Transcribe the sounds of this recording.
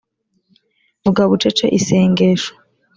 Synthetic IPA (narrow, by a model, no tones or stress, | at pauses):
uɡaβut͡ʃet͡ʃḛʔiseːŋɡeʃo̥